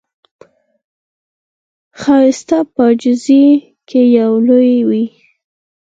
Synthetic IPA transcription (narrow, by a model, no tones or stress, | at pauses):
xɑɪst̪apəd͡ʒɪzi | kʰejawlojwi